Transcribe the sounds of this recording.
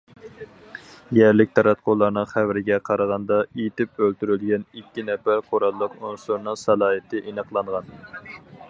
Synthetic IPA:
jæɾlɪk̚ʲt̪ʰɑɾɑt̪̚qʰolˠɑɾnɨŋχævɾɪɡʲɛqʰɑɾɑʁɑnd̪ɑit̪ɪpølt̪yɾylɡʲɛnikʲːinɛpæqʰoɾɑlˠːəqunsuɾnɨŋsɑlˠɑːɦɨt̪ʰɪʔenəqlˠɑɴʁɑn

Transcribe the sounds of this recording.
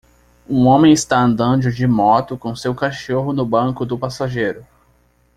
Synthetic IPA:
ũõmẽj̃ɪst̪aɐ̃nd̪ɐ̃d͡ʒʊd͡ʒɪmɔt̪ʊkõsewkaʃoɦʊnʊbɐ̃kʊd̪ʊpasaʒejɾʊ

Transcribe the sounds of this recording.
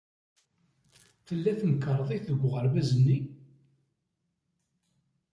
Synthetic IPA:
θəlːæθməkːəɾˤðˤiθəɡʷːʁəɾvæzənːi

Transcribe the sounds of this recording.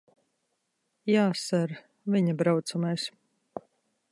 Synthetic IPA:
jaːsaɾ | vʲiɲabɾawt̪sumajs

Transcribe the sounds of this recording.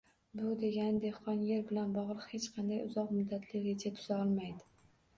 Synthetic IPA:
bʊd̪e̞ɡʲand̪e̞hqɒnjeɾbɪlanbɒʁlˠɨqhe̞t͡ʃqʰɑnd̪ajʊzɒqmʊd̪ːat̪ʰlɪɾet͡ʃʰat̪ʰʊz̥aɒlˠmajd̪ɪ

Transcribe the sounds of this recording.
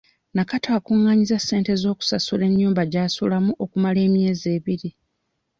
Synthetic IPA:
nakataːkuŋːaːɲizasːe̞ːnte̞zo̞ːku̥sasule̞ɲːuːmbaɟaːsulamuʔo̞kumale̞ːmje̞ːze̞ːβiɾi

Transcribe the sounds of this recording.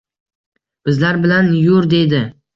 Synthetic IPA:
b̥ɪzlaɾbɪlanjʊɾd̪e̞jd̪ɪ

